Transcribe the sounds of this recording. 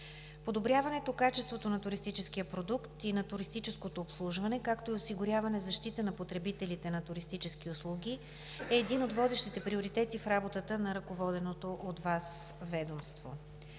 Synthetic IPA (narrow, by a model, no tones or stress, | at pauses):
pod̪obɾʲjavɐnɛt̪okat͡ʃɛst̪vot̪onɐt̪ʊɾist̪it͡ʃɛsk̟ijəpɾod̪ukt̪inɐt̪ʊɾist̪it͡ʃɛskot̪oːpslˠuʒvɐnɛkakt̪oiosiɡʊɾʲjavɐnɛzɐʃt̪it̪ənɐpot̪ɾɛbit̪ɛlit̪ɛnɐt̪ʊɾist̪it͡ʃɛsk̟iʊslˠuɡ̟ʲi | ɛːd̪inod̪vɔd̪ɛʃt̪it̪ɛpɾioɾit̪ɛt̪ifɾabot̪ət̪ənɐɾɐkovɔd̪ɛnot̪oʔot̪vasvɛd̪omst̪vo̰